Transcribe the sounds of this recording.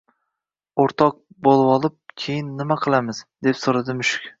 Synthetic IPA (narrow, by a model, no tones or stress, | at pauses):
oɾt̪ʰɒq̚bolˠwɒlˠɪp̚kʲʰejɪnːɪmaqʰɨlˠamɪz̥d̪e̞psoɾad̪ɪmʊʃɪ̥kʲ